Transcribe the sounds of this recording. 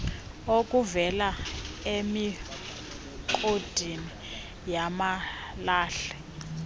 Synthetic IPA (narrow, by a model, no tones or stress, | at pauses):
okʼuvɛlaemi | ǃod̥ʱini | jamalaːɬɛ̥